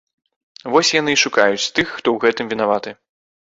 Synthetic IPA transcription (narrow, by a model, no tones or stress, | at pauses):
vɔsʲjan̪ɨʂukajut͡sʲt̪ɨxːt̪ɔwɣɛt̪ɨmvʲin̪avat̪ɨ